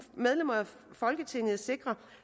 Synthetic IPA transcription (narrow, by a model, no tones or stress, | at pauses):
með̞ˠlem̰ɐæ | fɒ̽lɡ̥ət͡sʰe̝ŋ̰ð̩ˠse̝ɡ̥ʁɐ